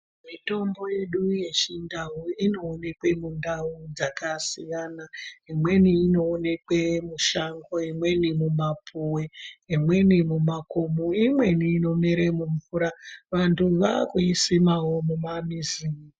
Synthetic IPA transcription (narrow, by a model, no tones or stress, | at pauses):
mito̞mbo̞je̞ɗuje̞t͡ʃindauino̞ːne̞kwe̞mundaud͡zakasijanaimwe̞niːno̞ːne̞kwemuʃaŋɡo̞imwe̞nimumapʰuweimwe̞nimumakomuimwe̞niːno̞miɾe̞muɱvuɾaʋantuʋakuisimawo̞mumamizi